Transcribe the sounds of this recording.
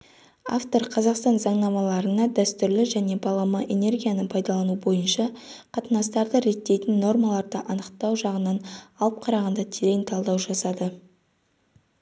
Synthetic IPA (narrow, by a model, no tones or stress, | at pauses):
a̰ft̪o̞ɾqʰɑzɑqst̪ɑnzɑɴnɑmɑlˠɑɾənɑd̪æst̪ʏɾlɪʒæne̞bɑlˠɑməʔe̞ne̞rɡʲijanəpʰɑjd̪ɑlˠɑnubo̞jənʃɑqʰɑt̪ənɑs̬t̪ɑɾd̪əɾe̞t̪ːe̞jt̪ɪnːo̞rmɑlˠɑɾd̪əʔɑnəqt̪ɑwʒɑʁənɑnɑlˠəp̚qʰɑɾɑʁɑnd̪ɑt̪ʰelejnt̪ʰɑlˠd̪ɑwʒɑsɑd̪ə